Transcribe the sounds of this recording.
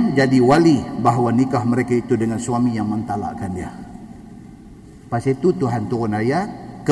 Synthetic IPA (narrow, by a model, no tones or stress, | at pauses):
nd͡ʒadiwalibaɦwanikahməɾekait̪udəŋansuamijaŋmənt̪ala̰kanja | pasit̪ut̪uɦant̪uunajak